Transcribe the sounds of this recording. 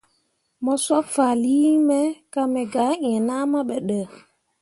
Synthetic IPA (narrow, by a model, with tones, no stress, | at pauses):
mɔ˦swa˦fa˨li˦mɛ˦ka˦mɛ˨ɡa˨˦ĩ˦˨ɛ̃˨na˦ma˦ɓɛ˨ɗə˨